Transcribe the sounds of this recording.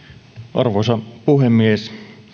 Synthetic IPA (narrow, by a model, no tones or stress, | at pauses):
ʔɑrʋosɑpuhemːies